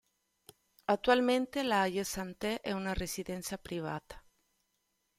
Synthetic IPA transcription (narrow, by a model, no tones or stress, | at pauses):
at̪ːualment̪elaajesant̪ɛʔɛunaresid̪ɛnt̪sapɾiva̰ːt̪ḁ